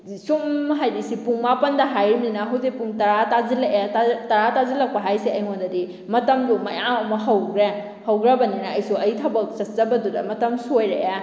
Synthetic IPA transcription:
sumɦajdisipuŋmapɐndɐɦajɾminɐɦɐwzepuŋtɐɾatazilɐkatɐɾatazilɐk̚pɐɦajseɐjŋondɐdi | mɐtɐmdumɐjamɐmɐɦɐwɡɾe | hɐwɡɾɐbɐninaːjsuɐjtʰɐbɐk̚sɐt̚zɐbɐdudɐ̰mɐtɐmsojɾḛʔa

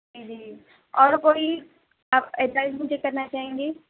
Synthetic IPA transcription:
d͡ʒid͡ʒiː | ɔːɾkoːi | aɛʈʋaːɪd͡ʒmʊd͡ʒʱekɐɾnat͡ʃaːɦẽːŋɡeː

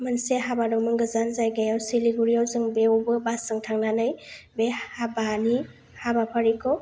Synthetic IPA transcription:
mɯnseɦabadɔŋmɯŋɡɯzanzajɡajawsiliɡuɾiawzɯŋbewbɯbasɯŋtʰaŋnanɯjbehabani | habapʰaɾikʰɔ

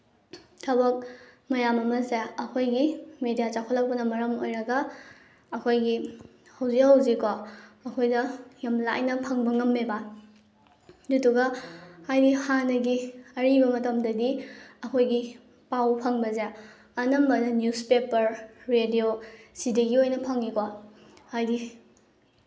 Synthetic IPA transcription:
tʰɐbɐk̚mɐjamɐmɐzeɐkʰojɡimedijat͡ʃakʰolːɐk̚pɐnɐmɐɾɐmo̰jɾɐɡɐː | kʰojɡi | hɐwzihɐwzikaɐkʰojdɐjɐmla̰jnɐpʰɐŋbɐŋɐmːeba | dutuɡɐhajdihanɐɡiɐɾibɐmɐtɐmdɐdiɐkʰojɡi | pawpʰɐŋbɐza | ɐnɐmbɐdɐnjuspepɐɾɾediosideɡiojnɐpʰɐŋikwa | hajdi

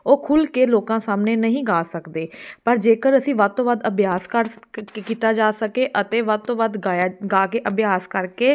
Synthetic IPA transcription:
oːkʰʊlkeːloːkãːsaːmneːnəɦĩːɡaːsəkd̪eːpəɾd͡ʒeːkəɾəsĩːʋəd̪̚t̪õːʋəd̪əbjaːskəɾkiːt̪aːd͡ʒaːsəkeːʔət̪eːʋəd̪̚t̪õːʋəd̪ɡaːjɡaːkeːʔəbjaːskəɾkeː

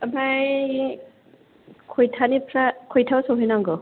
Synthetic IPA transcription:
baj | kʰojtʰanipʰɾakʰojtʰawsɔɦɔjnaŋɡɔ

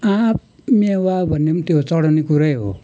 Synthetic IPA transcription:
ãp̚ | mewabʱʌnːemt̪jot͡sʌɽʌnekuɾʌjɦo̰

